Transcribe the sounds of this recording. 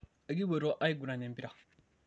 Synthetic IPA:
e˨ɡi˦we˨ɾɔ˦ʔa˦i˦ɡu˨ɾã˨nɛ̃˨˦bi˦ɾa˨

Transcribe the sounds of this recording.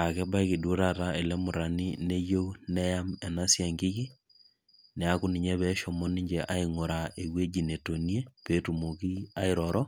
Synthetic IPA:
a˨kɛ˦ba˦eɣi˨do˦ɾatae˨le˦mo˨ɾa˨nine˦jo˦une˦jamɛ˨nasjaŋɡi˦ɣi˦ | nea˦ku˦ni˨ɲɛ˦βɛʃɔmɔ˦ni˦ɲd͡ʒɛʔa˦iŋo˨ɾae˨βwe˦d͡ʒineto˨nie˦petumoki˦a˦iɾɔɾɔ˦

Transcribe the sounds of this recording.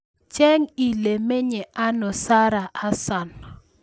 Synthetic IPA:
t͡ʃɛ˦ŋi˨le˨me˦ɲɛ˨ʔa˦nɔ˨sa˦ɾa˨ʔa˦sa˨n

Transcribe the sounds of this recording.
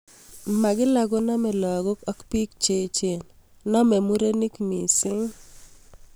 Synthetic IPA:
ma˨ɡɪ˦la˨ɡo˦na˦mɛ˨lɔ˨ɡɔ˦ka˦kpi˦kt͡ʃe˨t͡ʃe˨n | nɔ˦mɛ˨mu˦ɾe˦ni˦kmi˨sɪ˦ŋ

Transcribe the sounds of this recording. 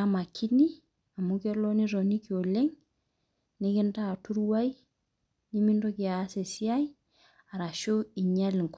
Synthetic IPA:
ama˨kʰːi˦ni˦ | a˨mu˦ke˦lo˦ni˦ɾo˨ni˦kio˨le˦ŋ | nɪ˦kɪ˦nta˦˨tu˦ɾwa˦j | ni˦mi˦ndo˦ki˨a˦se˨si˦a˦j | a˨ɾa˨ʃo˦i˨ɲa˦lŋk

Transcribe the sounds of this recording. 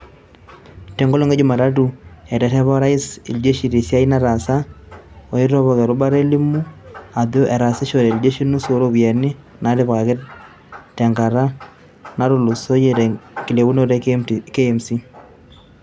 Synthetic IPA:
tɛ˨˦ŋɡo˦lo˦ŋe˦d͡ʒʊ˦ma˨ɾa˦t̬u˨ɛ˨tɛ˨tɛ˦βɔ˦ɾa˦ɪ˦sḭ˨ld͡ʒe˦ʃi˨ɾi˨sja˦i˦na˦ɾa˨sa˦o˨i˦ɾɔ˦βɔ˨kɛ˨ɾʊ˦ba˦ɾe˦li˦mu˦a˨ðo˦ʔɛ˨ɾa˨sɪ˦ʃo˨ɾɛ˨ld͡ʒe˦ʃi˦nu˦so˨ɾo˦bi˨ɛ˨nɪ˦ | na˨˦ɾɪ˦pka˨kɪ˦ | tɛ˨ŋɡa˨ɾa˦ | na˦ɾʊ˨lu˨so˦je˨ɾɛ˨kɪ˨le˨wu˦no˦ɾɛ˦ke˦msi˦

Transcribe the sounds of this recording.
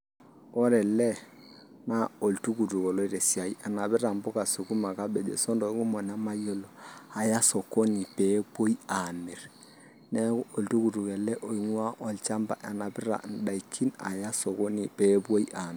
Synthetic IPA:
ɔ˦ɾɛ˨lɛ˦ | na˦o˨ltu˦ku˨tu˨ko˨lɔ˦i˦ɾe˨si˨a˨i˦ʔa˨na˨bi˦ɾa˨m˦bɔ˦ka˨su˨ku˦ma˨ka˦be˨d͡ʒḛ˨sɔ˦ndo˨i˦ku˦mɔ˨n˨a˦ma˦jo˦lo˨a˨ja˦so˨ko˦ni˨pe˦bo˦i˦a˨mi˨ɾ | nɛ˦o˨ltu˦ku˨tu˨kɛ˨lɛ˦ʔo˨i˨ŋwa˦ʔɔ˨lt͡ʃa˦mba̰˨ʔe˨na˨bɪ˦ɾa̰˨n̩˦da˨i˨kʰi˦na̰˨ja˦so˨ko˦ni˨pe˦bwo˦i˦ʔa˨m˨

